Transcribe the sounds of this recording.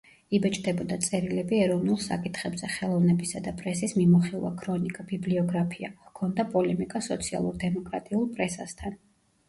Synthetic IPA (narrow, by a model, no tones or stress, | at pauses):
ibɛt͡ʃʼd̪ɛbɔd̪at̪sʼɛɾilɛbiɛɾɔvnulˠsa̰kʼit̪ʰχɛbzɛχɛlˠɔvnɛbisad̪apʼɾɛsismimɔχilˠa̰kʰɾɔnikʼabibliɔɡɾapʰia̰kʰɔnd̪apʼɔlɛmikʼasɔt̪sʰia̰lˠuɾd̪ɛmɔkʼɾat̪ʼiulˠpʼɾɛsast̪ʰan